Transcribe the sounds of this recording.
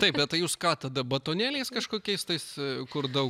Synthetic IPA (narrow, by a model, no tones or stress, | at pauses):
t̪ɐɪpbʲɛt̪ɐɪjuːskɑːt̪ɐd̪ɐbɐt̪oːnʲæːlʲɛɪskɐʃkoːkʲɛɪst̪ɐɪskʊrd̪ɐʊ